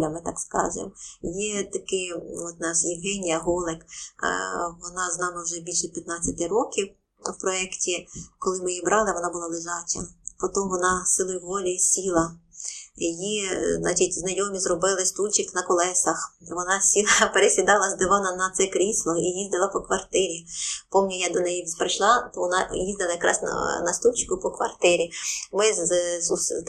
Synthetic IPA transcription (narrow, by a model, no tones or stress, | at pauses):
lʲɐmɪt̪ɑkskɑ̰ʒɪ̰mjɛt̪ɐkɪɔt̪nɑʃjɪwɦɛnʲijɐɦɔlˠɪk | ʋɔnɑznɑmɪwʒɛbʲilʲʃɛpʲjɐt̪̚nɑt͡sʲːɐt̪ɪɾɔkʲiw | wpɾɔɛktʲikɔlˠɪmɪjibɾʔɑlˠɪʋɔnɑbʊlˠɑlˠɪʒɑt͡ʃʲɐ̰pɔt̪ɔmʋɔnɑsɪlˠɔjʊʋɔlʲisʲilˠɐ | jiznɑ̰t͡ʃitʲznɐjɔmʲizrɔbɪlˠɪst̪ulʲt͡ʃɪknɐkɔlˠɛsɐxʋɔnɑsʲilˠɐpeɾesʲid̪ɑlˠɐzd̪ɪʋɑnɐnɐt̪sɛkɾʲislˠɔijizʲd̪ɐlˠɐpɔkʋɐrt̪ɪɾʲipɔmnʲijad̪ɔnɛjipɾɪʃlˠɑt̪ɔʋɔnɑjizʲd̪ɐlˠɐjɐkɾɑ̰snɐ̰nɐst̪ulʲt͡ʃkʊpɔkʋɐ̰rt̪ɪɾʲimɪzsus